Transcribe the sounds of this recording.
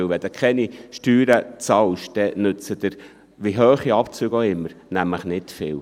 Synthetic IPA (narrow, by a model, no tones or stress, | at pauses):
ɪwʋɛd̥̪ɛkʰχɛniʃtyːɾət͡sɑlʃd̥ɛnʏt͡səd̥̪ɪɾ | ʋiɦøːχiɑpt͡syːɡoɪmːəɾnæmləχnɪtfɪːw